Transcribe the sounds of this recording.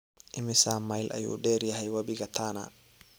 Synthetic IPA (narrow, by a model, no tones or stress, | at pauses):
ʔɪmɪsaːmːajlʔɐ̰jṵːɗɛːɾjɐɦɛjwɐbɪɡɐt̪ʰaːna̰